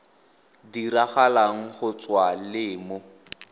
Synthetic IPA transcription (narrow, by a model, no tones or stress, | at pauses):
diraχalaŋ̩χʊt͡swalɪːmʊ